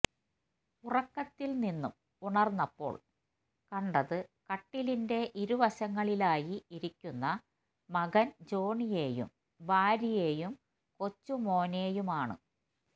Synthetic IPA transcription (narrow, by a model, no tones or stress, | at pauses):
urɐkːɐt̪ːilninːum | uɳɐrnːɐpːo̞̰ːɭ | kɐɳɖɐðɨkɐʈːilinde̞ʔiɾuʋɐɕɐŋːɐɭilaːjiiɾikʲːunːɐ | mɐɣɐnd͡ʑo̞ːɳije̞ːjṵm | ʋaːɾije̞ːjum | ko̞t͡ɕːumo̞ːne̞ːjumaːɳɨ̰